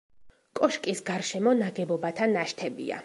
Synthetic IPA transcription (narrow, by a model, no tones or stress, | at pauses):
kʼɔʃkʼisɡaɾʃɛmɔnaɡɛbɔbat̪ʰanaʃt̪ʰɛbḭa̰